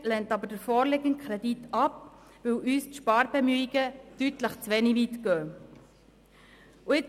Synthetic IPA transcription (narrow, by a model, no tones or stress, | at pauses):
lɛntɑbəɾd̥əɾfɔːɾleɡənkʰɾɛditɑp̚ | ʋɵwʔyːstʃpɑːɾbɛmyiɡ̥ətytləχt͡sʋɛniʋiːt̪ɡ̥œː | uɪ